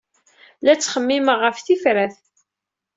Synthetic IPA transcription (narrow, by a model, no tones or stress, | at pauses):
læt͡sːχəmːiməʁːəfθifɾæθ